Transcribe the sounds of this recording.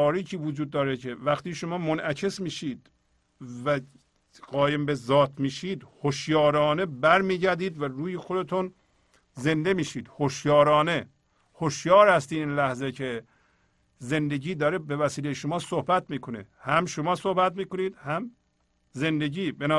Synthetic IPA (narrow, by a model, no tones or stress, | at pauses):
ɒːɾiːcʰiːvod͡ʒuːd̪̚ːɒːɾecʰe̞væxt̪iːʃomɒːmonʔæcʰe̞smiːʃiːd̪ | væ | ɡɒːjembezɒːt̪ʰmiːʃiːd̪hoʃjɒːɾɒːne̞bæɾmiːɟæɾd̪iːd̪væɾuːjexod̪et̪ʰun | ze̞nd̪e̞miːʃiːd̪̥hoʃjɒːɾɒːne | hoʃjɒːɾhæst̪iːd̪iːnlæhzecʰe | ze̞nd̪e̞ɟiːd̪ɒːɾebevæsiːlejeʃomɒːsohbæt̪miːkʰonḛ | hæmʃomɒːsohbæt̪miːkoniːd̪̥hæm | ze̞nd̪eɟiːbenː